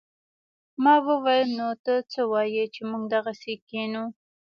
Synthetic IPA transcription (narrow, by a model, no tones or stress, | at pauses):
mɑwəwɑjəmnot̪ət͡səwɑjet͡ʃemuɡd̪aɣasekenu